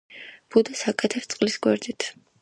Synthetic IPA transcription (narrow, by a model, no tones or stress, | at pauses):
b̥ud̪asakʼɛt̪ʰɛst̪sʼqʼlisɡwɛ̰ɾd̪it̪ʰ